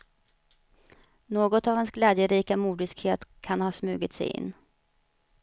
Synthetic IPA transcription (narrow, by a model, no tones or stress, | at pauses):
noːɡɔt̪avhɛnsɡlɛːd̪jəɾiːkamuːd̪ɪskheːt̪kʰanhɑːsmʉ̟ːɡɪt̪sɛ̰jɪ̰nː